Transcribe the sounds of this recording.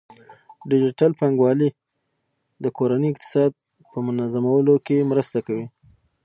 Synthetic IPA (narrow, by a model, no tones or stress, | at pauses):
ɖɪd͡ʒɪʈalpaŋɡwɑli | d̪əkoɾanəjɪqt̪ɪ̥sɑd̪̚ | pəmʊnazamawəlokemɾəst̪akawi